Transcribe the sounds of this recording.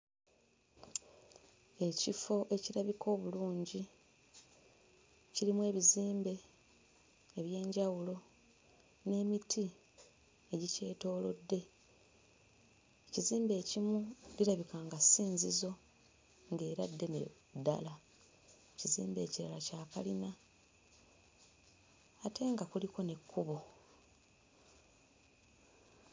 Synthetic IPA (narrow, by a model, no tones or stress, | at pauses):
e̞cifo̞ʔe̞ciɾaβiko̞ːβuluːɲɟi | ciɾimuwe̞ːβiziːmbe̞ | βje̞ːɲɟawulo̞ | ne̞ːmitʰi | eɟice̞ːto̞ːlo̞̰dːe̞ | eciziːmbe̞ːcimuliɾaβikaːŋɡasiːnzizo̞ | ŋɡe̞ːɾadːe̞nḛ | dːa̰la | ecizḭːmbe̞ːciɾa̰lacaːkalina | tʰe̞ːŋɡakuliko̞ne̞kʰːuβo